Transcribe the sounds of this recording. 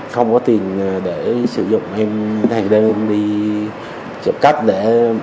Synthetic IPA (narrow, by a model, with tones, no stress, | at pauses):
xə˧wŋ͡mkɔ˨˦t̪i˨˩ən˨˩ɗe˧˩sɨ˧˩zʊ̰˧˨ŋ͡mʔɛ˧mt̪ʰa˨˩ŋɗə˧n˧mɗi˧ | t͡ɕə̰˧˩p̚ka˦˥k̟̚ɗe˧˩